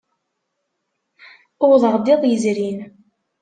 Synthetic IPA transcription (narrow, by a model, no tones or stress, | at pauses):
ʊʁðʁd̪ɪðˤjəzɾin